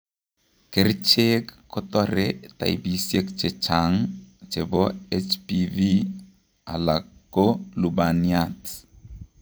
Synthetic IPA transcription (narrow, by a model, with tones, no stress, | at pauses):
ke˦rt͡ʃe˦kːɔ˦tɔ˦ɾe˦ta̰˨ḭ˨bi˨sje˦kt͡ʃe˨t͡ʃa˨ŋt͡ʃe˨bɔ˦et͡ʃpivi˦ | a̰˨la˨kːo˦lu˨ba˨nia˦t